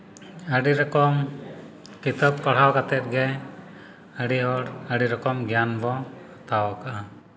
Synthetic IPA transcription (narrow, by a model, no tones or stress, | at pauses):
əɖiɾɔkɔm | kit̪əp̚kɔɽ̤awkat̪ɛt̪̚ɡɛ | əɽiɔɽəɽiɾɔkɔmɡjanbɔ | at̪awɔkaʔa